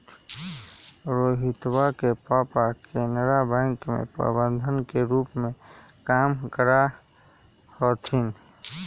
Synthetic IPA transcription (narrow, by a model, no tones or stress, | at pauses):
ɾoːɦɪt̪wakepapakʰenɾabɛ̃ŋkmḛ̃pɾə̰bə̃nd̪ʱənkeɾuːpmẽkaːmkəɾa | hɔt̪ʰin